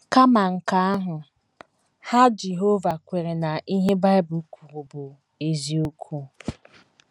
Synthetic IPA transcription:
ka˦ma˨ŋ̩˨ka˦a˦ɦʊ˨ | ha˦d͡ʒe˨ɦo˦va˨kʷe˨ɾe˨na˨ʔi˦ɦe˦ba˦ɪ˦bʊ˨˦kʷu˨ɾu˨bʊ˨ | e˨zi˨o˦kʷʰu˦

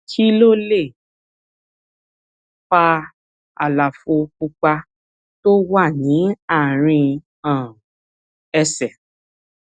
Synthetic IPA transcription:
ki˦lo˦˨le˦˨ | k͡pa˧ | a̰˨la˨fo˧ku˧k͡pa˧ | to˦wa˦˨nĩ˨˦a˦˨ɾ̃ĩ˧ | ã˨ | ɛ˧sɛ˨

